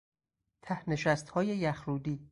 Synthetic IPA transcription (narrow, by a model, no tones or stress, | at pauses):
t̪ʰæhne̞ʃæst̪hɒːje̞jæxɾuːd̪iː